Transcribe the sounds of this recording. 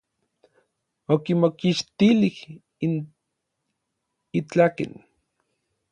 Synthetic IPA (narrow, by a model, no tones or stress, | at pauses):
okimokiʃt̪ilih | in | it͡ɬakḛn